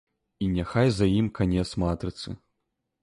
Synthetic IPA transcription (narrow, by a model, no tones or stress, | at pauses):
inʲaxajzɐjimkʰanʲɛt̪smat̪ɾɨt̪sɨ̰